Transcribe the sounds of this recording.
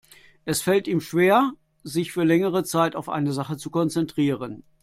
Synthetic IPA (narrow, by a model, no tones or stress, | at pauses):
ʔɛsfɛltʔiːmʃv̥eːɐ | zɪçfyːɐlɛŋəʁ̞ət͡saɪtaʊfʔa̰ɪnəzaχət͡sukɔnt͡sɛntʁ̥iːʁən